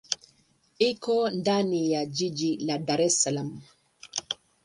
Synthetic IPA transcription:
ikɔndanijad͡ʒid͡ʒiladaɾɛsalam

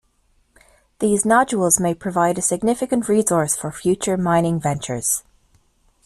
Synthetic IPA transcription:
ðiːznɑd͡ʒəəlˠzmeɪpʰɹ̥əvaɪɾəsɪɡ̚nɪfɪkə̃nʔɹiːzɔɹsfə˞fjʉˑt͡ʃə˞mãɪ̃nɪ̃ŋvɛ̃nt͡ʃə̰˞z̥

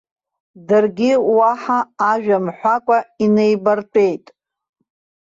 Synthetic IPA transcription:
dɨrɡʲiwaħaːʒᶣamħʷakʷʼaine̞jbartʼe̞jtʼ

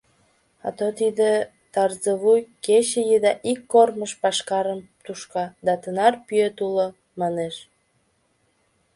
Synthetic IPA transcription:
ɑ̰t̪ot̪id̪e | t̪ɑrzəβujket͡ɕejəd̪ɑʔikːorməʃpɑʃkɑɾəm | t̪uʃkɑd̪ɑt̪ənɑrpyet̪ulo | mɑneʃ

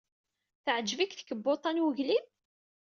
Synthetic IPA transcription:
θəʕd͡ʒːvikθə̥kəbːot̪ˤɑnwəʝlib

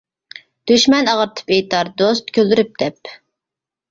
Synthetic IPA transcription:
d̪̥yʃmɛnɑʁəɾt̪ʰɨ̥pejt̪ɑɾd̪ost̪̚kʲʰøld̪yɾyp̚d̪̥ɛp

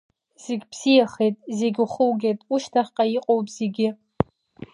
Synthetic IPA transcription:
z̥eɡʲbz̥ijaχejtʼze̞ɡʲuχəwɡʲejtʼuʃtʰaχʲqʼajiqʼowpʼz̥eɡʲɪ

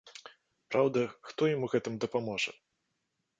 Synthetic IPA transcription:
pɾawd̪ɐxt̪ɔjamuɣɛt̪ɨmd̪ɐpamɔʐɐ̰

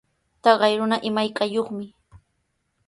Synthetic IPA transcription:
t̪ɑɢɑjɾʊnaʔɪmajkʼajoχmɪ

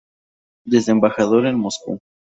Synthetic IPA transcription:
d̪ese̞mbaxaðoɾenmoskṵ

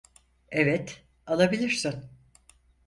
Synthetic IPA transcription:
evɛt̪ | alˠabilʲiɾsin

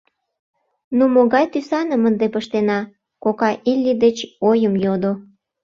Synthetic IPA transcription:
numoɣɑjt̪ysɑnəmənd̪epəʃt̪enɑ | kokɑʔilʲːid̪et͡ɕojəmjod̪o

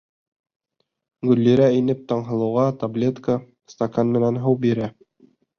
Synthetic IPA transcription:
ɡɵ̆lːiɾæinɘp̚t̪ɑɴɦɤ̆lˠɤ̆wʁɑt̪ablʲet̪kə | st̪akanmɘ̆nænɦɤwbiɾæ

